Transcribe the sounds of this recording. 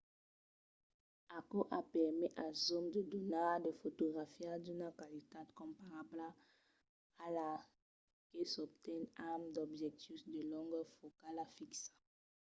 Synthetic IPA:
akoʔapɛʁmɛʔazomd̪əd̪onaʁdəfotoɡʁafiad̪ynakwalit̪ad̪kɔ̃mpaʁabla | ala | kesɔb̚t̪ɛnamd̪ɔbʒɛk̚t̪isd̪əlɔ̃ŋɡfokalafiksḁ

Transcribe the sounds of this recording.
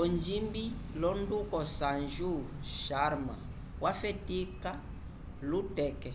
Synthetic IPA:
ɔnd͡ʒimbilɔndukɔsanʒuʃaɾma̰ | wafɛtika | lutɛkɛ

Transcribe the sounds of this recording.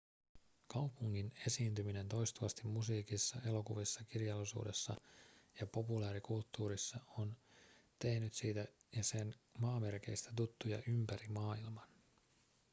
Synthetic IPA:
kɑwpuŋːine̞siːnt̪ymine̞nt̪o̞jst̪uɑst̪imːusiːkisːɑe̞lo̞kuʋisːɑkirjɑlːisṵːde̞sːɑjɑpo̞pulæːɾikult̪ːuːɾisːɑont̪e̞hnyt̪siːt̪æjɑse̞nmɑːme̞rk̟e̞̰ijst̪æ̥t̪̬ut̪ːujɑ̰ʔympæɾimɑːilmɑn

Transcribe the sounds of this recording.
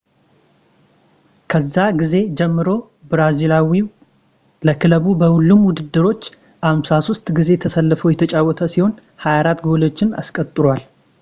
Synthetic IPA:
kʰəzːaɡize̞d͡ʒɛmːɨɾo̞ | bɾazilawi | ləkʰɨləβubəhulːumwʊd̪ɨd̪ːɨɾo̞t͡ʃː | ʔamsasost̪ʼɡize̞t̪ʰəsəlːɨfəwjɛt̪ʰət͡ʃʼawːɔt̪ʰəsiho̞n | hajaɾat̪ːɡolot͡ʃːɪna̰skʼət̪ʼɨɾwal

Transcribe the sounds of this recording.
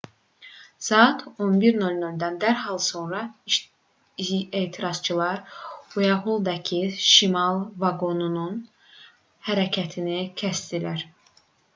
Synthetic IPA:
sɑɑt̪ʰonbiɾnolʲnolʲd̪ænd̪æɾɦɑlˠso̞nɾɑ | et̪ʰiɾɑz̥t͡ʃʰɯlˠɑɾujɑɦulˠd̪ɑcʰiʃimɑlˠvɑɡo̞nunun | hæɾæcʰæt̪ʰinicʰæst̪ilæɾ

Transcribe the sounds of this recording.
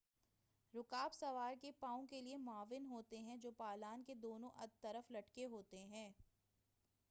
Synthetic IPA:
ɾʊkaːbsɐʋaːɾkepaːõkeliemʊaːʋɪnɦoːt̪eɦɛ̃d͡ʒoːpaːlaːnked̪oːnõʔɐdt̪ːɐɾəflɐʈkeɦoːt̪eɦɛ̃ː

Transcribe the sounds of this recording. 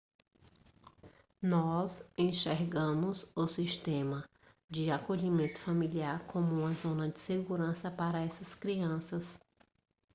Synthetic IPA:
nɔzẽʃeɾɡɐ̃mʊzʊsiʃt̪ẽmɐ | d͡ʒɪakoʎimẽnt̪ʊ̥familiaɾkʰõmʊũmɐzõnɐd͡ʒɪseɡuɾɐ̃sɐpaɾɐɛsɐskɾiɐ̃sɐs

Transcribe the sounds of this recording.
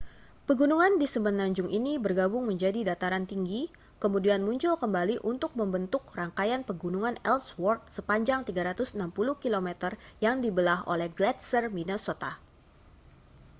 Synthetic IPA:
pəɡunuŋandisəmənaɲd͡ʒʊŋʔinibərɡabʊŋməɲd͡ʒadidat̪aɾant̪iŋɡi | kəmudianmuɲt͡ʃʊlkəmbaliʔunt̪ʊk̚məmbənt̪ʊkraŋkajanpəɡunuŋanɛlswɔrt̪̚səpaɲd͡ʒaŋt̪iɡaɾat̪ʊsənampuluhkilomɛt̪ərjaŋdibəlaɦo̰lɛhɡlɛt̪̚sərminosot̪a

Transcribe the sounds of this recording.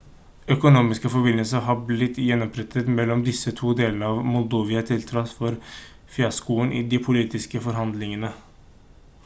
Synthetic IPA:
œkʊnuːmɪskəfɔbɪnəlsəɦɑblɪt̪ːjɛnːɔmpʰɾɛt̪ʰət̪mɛlːɔmd̪ɪsːət̪ʰuːd̪eːlənəɑːʋmʊld̪oːʋɪət̪ʰɪlt̪ʰɾɑt̪fɔɾ | fjɑskuːənɪd̪ɪpʰʊliːt̪ɪskəfɔɾɦɑnd̪lɪŋənə

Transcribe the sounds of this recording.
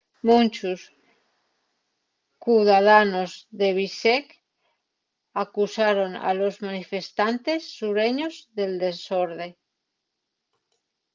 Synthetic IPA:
mũnt͡ʃus | kuðaðanozðeβ̞isek | akusaɾona̰lozmanifest̪ant̪esːuɾeɲozðeld̪esoɾðe

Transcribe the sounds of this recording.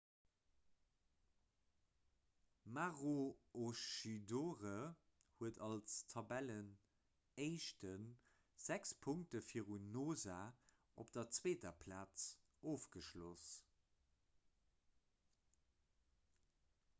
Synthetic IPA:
maʁooʃidoːʁə | huətɑlstʰɑbælən | eɪʃtən | z̥ækspʰʊŋk̚təfiːəʁunoːzaː | ʔopd̥ɐt͡sweːtɐpʰlaːt͡s | oːfɡ̥əʃlo̰s

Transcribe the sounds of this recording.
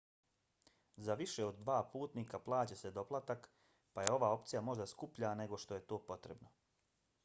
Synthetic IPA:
zaʋiʃe̞od̪ːʋaːpuːt̪niːkaplˠaːt͡ɕe̞se̞d̪o̞plˠat̪ak | paje̞o̞ʋaːo̞pt̪sijamo̞ʒd̪askupʎane̞ɡo̞ʃt̪o̞je̞t̪o̞ːpo̞t̪ɾebno

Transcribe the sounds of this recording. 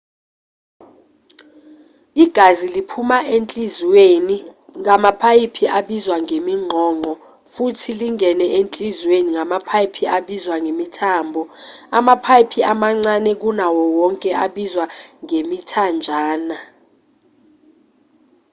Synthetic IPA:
iɡ̥ʱazilipʰumaʔent͡ɬʼizweniŋamapʰajipʰiaɓizwaŋemiŋ͡ǃʱɔːŋ͡ǃʱɔ | futʰiliŋʱɛnɛʔent͡ɬʼizweniŋamapʰajipʰiaɓizwaŋemitʰaːmbʱɔamapʰajipʰiamaŋ͡ǀanɛk̬unawɔwɔŋkʼɛaɓizwaŋemitʰand͡ʒʱaːna

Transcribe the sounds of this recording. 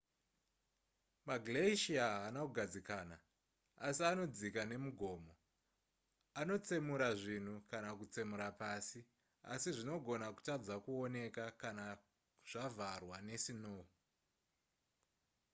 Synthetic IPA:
maɡleiʃiaɦanakuɡʱad͡zikaːna | asiano̞d͡zikane̞muɡʱo̞ːmo̞ | ano̞t͡semuɾaʐin̤ukanakut͡semuɾapasi | a̰siʐino̞ɡʱo̞naku̥tad͡zakuone̞kakana | ʐ̥avʱarwane̞sinoːu

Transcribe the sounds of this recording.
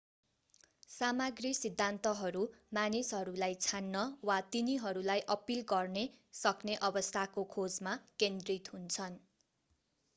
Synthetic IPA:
samaɡrisid̪ʱːant̪ʌɦʌɾumanisɦʌɾulajt͡sʰanːʌwat̪iniɦʌɾulajʔʌpilɡʌrnesʌkneʔʌbʌst̪ʰakokʰod͡zmakend̪rit̪ɦunt͡sʰʌn

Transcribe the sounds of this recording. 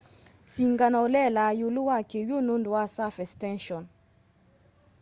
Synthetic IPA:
siŋɡanɔlɛlajoluwakewjononduwasafɛstɛ̃nʃɔn

